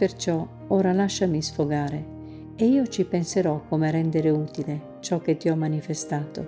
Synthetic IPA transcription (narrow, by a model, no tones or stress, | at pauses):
pert͡ʃɔ | oːɾalaʃːamisfoɡaːɾe | eiːot͡ʃipenseɾɔkːomeɾɛnd̪eɾeuːt̪ile | t͡ʃɔk̟ːet̪ːiɔmːanifest̪aːt̪o̰